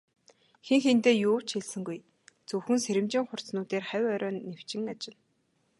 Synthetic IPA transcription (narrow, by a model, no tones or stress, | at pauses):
xeŋxent̪eːjʊːw̥t͡ɕxeɮsɘ̆ŋɡuj | t͡sɵwxɘ̆ŋseɾʲɘ̆mt͡ɕĭŋχʊr̥t͡snuːt̪eːrχæwʲœɾʲœːnːew̥t͡ɕɪ̆ŋat͡ɕɪ̆n